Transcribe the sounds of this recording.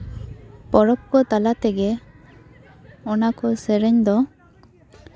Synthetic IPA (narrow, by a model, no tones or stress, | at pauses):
pɔɾɔp̚kɔt̪alat̪ɛɡɛ | ɔnakɔsɛɾɛɲd̪ɔ